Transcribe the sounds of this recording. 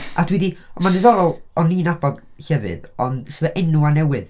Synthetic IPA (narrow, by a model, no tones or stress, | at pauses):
a̰dwiðiɔmandɪðɔɾɔlˠɔniːnabɔd̥ | hɛvɨ̰dɔnsəvɛʔɛnuanɛwɨð